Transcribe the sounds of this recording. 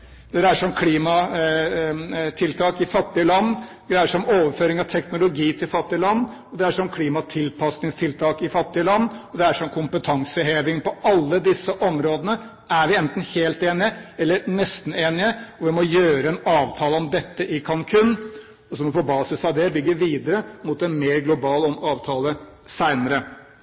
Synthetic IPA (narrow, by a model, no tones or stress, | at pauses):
d̪ɛd̪ɛæʂɔmkʰliːmɑ | t̪ʰɪlt̪ʰɑːkɪfɑt̪ːɪəlɑnːd̪ɛæʂɔmoːʋəɾføːɾɪŋɑʋt̪ʰɛknʊlʊɡiːt̪ʰɪlfɑt̪ːɪəlɑnː | ɔd̪ɛæʂɔmkʰliːmɑt̪ʰɪlpʰɑsnɪŋst̪ʰɪlt̪ʰɑːkɪfɑt̪ːɪəlɑnːɔd̪ɛæʂɔmkʰʊmpət̪ʰɑŋsəheːʋɪŋpɔʔɑlːəd̪ɪsːəʔɔmɾoːd̪ənə | æɾʋɪɛnt̪n̩heːlt̪eːnɪəɛlːəɾnɛst̪n̩eːnɪəɔmʋɪmɔjøːɾəɛnɑːʋt̪ʰɑːləɔmd̪ɛt̪ːəʔɪkʰɑnkʰʉnː | ɔsɔmɪpɔbɑːsɪsɑʋd̪ɛbʏɡːəɾʋiːd̪əɾəmut̪ɛnmeːɾɡlʊbɑːlɔmɑːʋt̪ʰɑːləsæɪnəɾə